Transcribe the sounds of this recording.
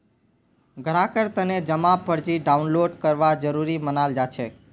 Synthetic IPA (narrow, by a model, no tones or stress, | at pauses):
ɡʱəɾakəɾt̪əned͡ʒəmapəɾd͡ʒiɖaunloɖkəɾʋad͡ʒəɾuɾimənald͡ʒat͡ʃʰe